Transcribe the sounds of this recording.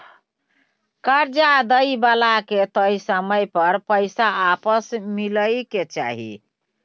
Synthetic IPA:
kəɾd͡ʒad̪əjbalaket̪əisəməjpəɾpəɪsaːpəsmiləjket͡ʃa̰ɦḭ

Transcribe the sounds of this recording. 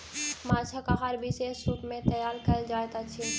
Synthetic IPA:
mat͡ʃʰakaɦaɾbisesuʈmẽt̪əjaːɾkəld͡ʒaːet̪at͡ʃʰi

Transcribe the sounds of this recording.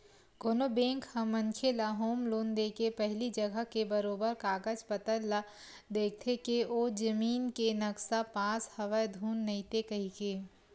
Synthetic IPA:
koːnobẽːŋkhɐmːɐ̃ŋkʰelaːɦoːmloːnd̪eːkepɛɦlid͡ʒɐɡəɦkebɐɾoːbəɾkaːɡəd͡ʒpət̪əlːa | d̪eːk̚ʰt̪ʰekeoːd͡ʒɐmiːnkenɐksapãːshɐʋəjd̪ʱuːnːɐĩt̪ekɐɦikeː

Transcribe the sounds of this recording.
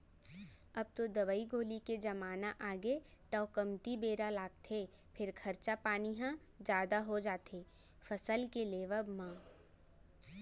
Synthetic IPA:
ɐb̚t̪od̪ɐʋəiɡoːliked͡ʒɐmaːnaʔaːɡet̪ɐːkɐmt̪ibeːɾalaːɡ̚t̪ʰe | pʰɪɾkʰɐɾt͡ʃapaːniɦã | d͡ʒjaːd̪aɦod͡ʒaːt̪ʰeː | fɐsəlkeleːʋəbmãː

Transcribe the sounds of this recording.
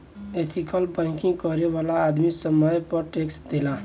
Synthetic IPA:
et̪ʰikəlbãɪ̃kiŋɡkɔɾebalaːd̪misəməjpəɾʈeksd̪elã

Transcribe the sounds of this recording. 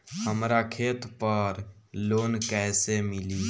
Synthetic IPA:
həmɾakʰet̪pəɾ | loːnkɛɪsemili

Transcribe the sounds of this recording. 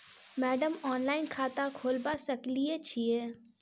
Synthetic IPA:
mɛːɖəmɔːnlaːɪnkʰaːt̪akʰoːlbasɐkliet͡ʃʰieː

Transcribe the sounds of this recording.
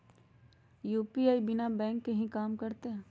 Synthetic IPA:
juːpiaːibɪnabɛ̃ːŋkːeɦĩkaːmkɐɾt̪eɦɛ̃ː

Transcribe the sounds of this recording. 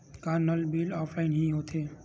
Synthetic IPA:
kanəlbilɔːpʰlaɪnɦĩɦot̪ʰe

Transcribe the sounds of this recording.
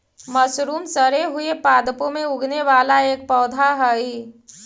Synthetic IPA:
məsɾuːmsəɾeɦʊepaːd̪põmẽʊɡʱneʋaːlaeːk̚pɔːd̪ʱaɦəi

